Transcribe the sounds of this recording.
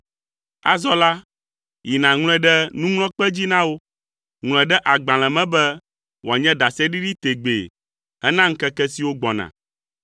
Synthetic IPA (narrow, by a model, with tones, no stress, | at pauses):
a̰˦zɔ˦la˦ | ji˨nã˨ŋl̃ɛ̃˦ɖɛ˦nũ˦ŋl̃ɔ̃˦k͡pɛ˦d͡ʑi˦nã˦wo˦ | ŋl̃ɛ̃˨ɖɛ˦ʔa˨ɡ͡bã˨l̃ɛ̃˨mɛ̃˦bɛ˦ | wo˨a˨ɲɛ̃˦d̪a˨sɛ˦ɖi˦ɖi˦t̪e˨ɡ͡bḛ˨ | ɦɛ˦nã˦ŋ̩˦kɛ˦kɛ˦si˨wo˦ɡ͡bɔ˨nã̰˨